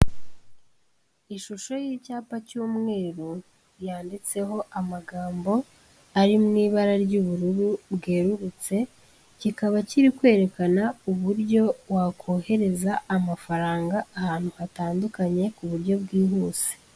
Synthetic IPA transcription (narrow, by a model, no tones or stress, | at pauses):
iʃuʃo̞jiːcaːpacuːmŋe̞ːɾu | jaːndit͡se̞ɦo̞ʔamaɡaːmbo̞ | aɾimŋiːβaɾaɾɟuβuɾuɾubɡeːɾuɾut͡se̞ | cikaβaciɾikwe̞ːɾe̞kanauβuɾɟo̞wakʰo̞he̞ɾe̞zaːmafaɾaːŋɡaːhaːn̥huhataːndukaɲe̞kuβuɾɟo̞bɡiːɦuːze̥